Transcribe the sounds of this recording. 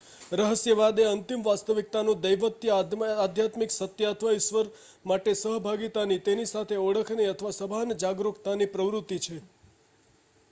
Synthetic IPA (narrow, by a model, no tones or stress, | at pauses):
ɾəɦəsjəʋad̪eənt̪imʋast̪əʋik̚t̪anũd̪əjʋət̪jəad̪ʱjat̪miksət̪jat̪ʰʋəiʃʋəɾ | maʈesəɦbʱaɡit̪anit̪enisat̪ʰeɔɽəkʰneət̪ʰəʋasəbʱand͡ʒaɡɾukt̪anipɾəʋɾut̪ːit͡ʃʰe